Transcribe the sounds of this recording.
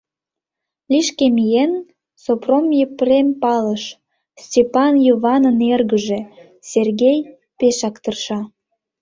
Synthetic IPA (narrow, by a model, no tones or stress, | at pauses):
lʲiʃkemijen | sopromjeprempɑləʃ | stʲepɑnjoβɑnənerɣəʒe | serɣʲej | peʃɑkt̪ərʃɑ